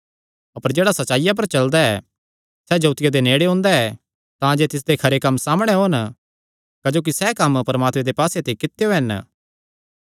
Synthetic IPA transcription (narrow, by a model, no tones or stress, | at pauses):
ɐpəɾd͡ʒeːɽasɐtːt͡ʃaːɪjap̬ɐɾt͡ʃɐld̪aɛː | sɛd͡ʒoːt̪ɪjad̪eneːɽeɦʊ̃ːnd̪aɛ | t̪ãd͡ʒet̪ɪs̬d̪ekʰɐɾekɐmːsaːmɽ̃eɦoːn | kəd͡ʒoːk̬isɛkɐmpɐɾəmaːt̪mẽd̪epaːset̪ekɪt̪ejoɦɛn